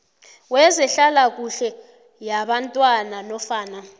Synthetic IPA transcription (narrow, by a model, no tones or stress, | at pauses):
wɛzɛɬalak̬uɬɛ | jaɓantʼwananɔfaːna